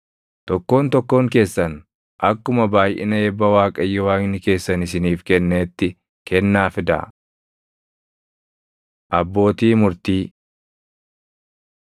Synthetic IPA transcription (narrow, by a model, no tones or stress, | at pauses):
t̪ɔkːo̞ːnt̪ɔkːo̞ːŋke̞ːsːɐn | ʔɐkːʊmɐbaːjʔɪ̰nɐeːbːɐwaːkʼɐjːɪwaːknɪke̞ːsːɐnɪsɪniːfkɛnːeːt̪ːɪ | kɛnːaːfɪd̪a̰ː | ʔɐbːo̞ːt̪iːmʊɾt̪iː